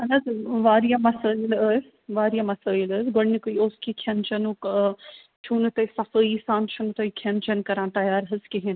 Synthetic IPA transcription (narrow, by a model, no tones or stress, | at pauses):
ɐnɐzʋaːɾijamɐsəːilə | ʋaːɾjamɐsəːjiləːzɡɐɽnikuioːskikʰɐnt͡ʃɐnuk | t͡ʃʰuːnɨt̪ɐsɐfəːisaːnt͡ʃʰunut̪ɐkʰɐnt͡ʃɐnkɐɾãːnt̪ɐjaːɾɦɐskiɦin